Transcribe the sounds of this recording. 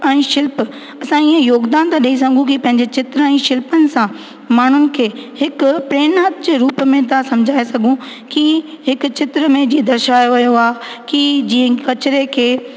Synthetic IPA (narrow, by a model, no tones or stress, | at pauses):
ɛ̃ːʃɪlp | ɐsãiːə̃joːɡd̪aːnt̪ãɗiis̬ɐ̃ŋ̆ɡʱũkipɐ̃ɦɪ̃ɲd͡ʑet͡ɕɪt̪ɾəɛ̃ːʃɪlpənɪ̆sã | maːɳ̤ʊnɪ̆kʰeːhɪkʊpɾeːnaːt̪d͡ʑeːɾuːpmẽt̪̬asɐ̃md͡ʑʱaːesɐɡʱũ | ki | hɪkʊ̆t͡ɕɪt̪ɾəmẽd͡ʑĩd̪ɐɾʃaːjoʋɐjoaːɦekid͡ʑĩːkɐt͡ɕɪɾekʰeː